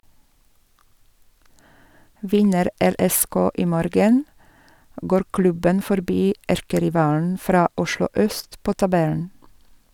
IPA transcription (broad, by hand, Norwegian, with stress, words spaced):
ˈʋɪnəɾ ˈɛɾɛˌskoː ˈiː ˈmoːɾɡən ˈɡoːɾ ˈklʉbən fɔɾˈbiː ˈæɾkəɾɪˌʋɑːln̩ ˈfɾɑː ˈʊʃlʊ ˈœst ˈpoː tɑˈbɛln̩